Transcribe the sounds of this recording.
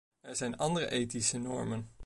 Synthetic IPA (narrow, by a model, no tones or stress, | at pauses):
ɛɹzɛjnɑndərə̰ʔejtisənɔ̰ɹmən